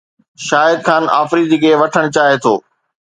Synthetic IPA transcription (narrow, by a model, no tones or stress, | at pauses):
ʃaːɦɪd̪xʰaːna̰ːfɾid̪ikʰeʋɐʈʰəɽ̃ʊt͡ɕaːɦet̪ʰo̰ː